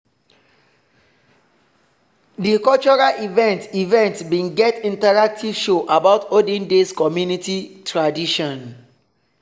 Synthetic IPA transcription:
dikɔlt͡ʃɔɹalivɛ̃ntivɛ̃ntbĩnɡɛtĩntaɹak̚tʰiv̥ʃoʔabaʊtodĩndeskɔmjunititʰɹadiʃɔ̃n

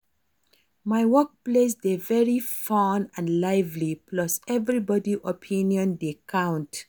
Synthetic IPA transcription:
majwɔk̚ples̬devɛɹifɔnãnlaɪvliplɔsɛvɹibɔdiʔɔpʰĩnjɔ̃ndekʰãʊ̃nt

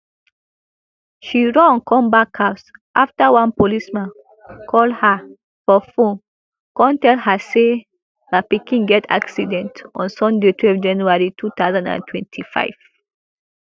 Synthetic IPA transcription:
ʃiɹɔ̃ɔ̃nkʰɔ̃mbakʰasʔaftawãnpolismãn | kʰɔldha | fɔfõn | kɔ̃ntɛlhase | lapikĩŋɡɛtʰa̰ksidɛ̃ntɔ̰̃nsɔ̃ndetʰwɛlfd͡ʒãnjuaɹitʰut̪aʊzãndã̰ntʰwɛ̰̃ntʰifa̰ɪv̥

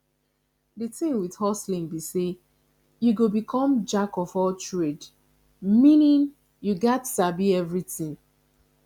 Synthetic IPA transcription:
ditĩŋwid̥hɔslĩŋbise | juɡobikʰɔ̃md͡ʒakɔvɔltɹed | mĩnĩn | juɡɛtsabiɛvɹitĩŋ

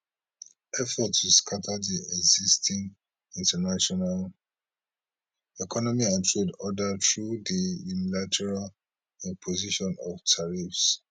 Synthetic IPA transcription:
ʔɛfɔtuskʰatʰadiɛɡzistʰĩŋ | ĩntənaʃɔnal | ɛkʰɔnɔmiãntʰɹedɔdətɹudijunilatʰɛɹal | ɛpʰoziʃɔ̃nɔvtʰaɹifs

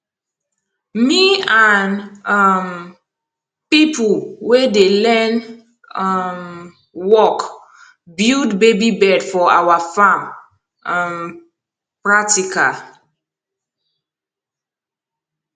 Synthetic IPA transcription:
mianm | pipuwedelɛn | m | wɔk | bildbebibɛdfɔawafãm | m | pɹak̚tikʰa

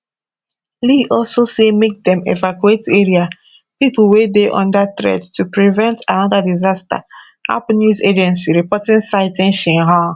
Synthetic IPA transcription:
liʔɔlsosemek̚dɛ̃mḛvakueteɹia | pipl̩ˠwedeʔɔ̰̃ndatɹɛ̰dtupɹivɛ̃ntʰãnɔðadizasta̰ | a̰pnjuzed͡ʒɛ̃nsiɹipɔtĩnsaɪtɛ̃nʃɛ̃ɦã

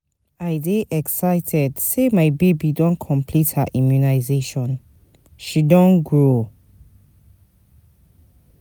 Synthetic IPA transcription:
aɪdeʔɛksaɪtʰɛdsemaɪbebidɔ̃nkʰɔ̃mpʰlithaʔĩmjunaɪzeʃɔ̃n | ʃidɔ̃nɡɹo

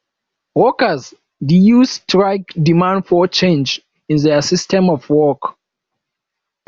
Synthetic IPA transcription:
wɔkəz | dijustʰɹaɪkdimãndfɔt͡ʃẽnd͡ʒ | ĩnðɛsistʰɛ̃mɔfwɔk

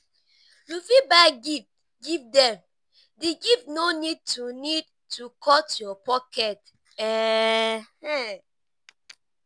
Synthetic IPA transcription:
jufibaɡi | ɡivdɛ̃m | deɡivnonid̚tunid̚ | tukʰɔtjɔpɔkɛt | ɛ | hɛ

